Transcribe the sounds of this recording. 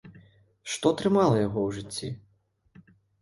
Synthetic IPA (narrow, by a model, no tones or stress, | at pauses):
ʂt̪ɔt̪ɾɨmalˠɐjaɣɔwʐɨt͡sʲːi